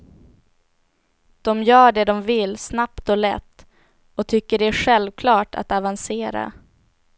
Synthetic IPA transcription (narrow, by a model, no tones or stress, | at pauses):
d̪̥ɔmjœːɖɛd̪ɔmvɪlsnapt̪ɔlɛ̰t̪ː | ɔt̪ʰʏkːəɖɛæɧɛlvkʰlɑːʈʰa̰t̪avanseːɾa̰